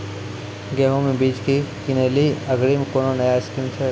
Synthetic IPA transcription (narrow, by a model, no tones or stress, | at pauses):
ɡeːɦõmẽbiːt͡ʃkikineːliɐɡɾimẽkoːnonɐjaɪskimt͡ʃʰe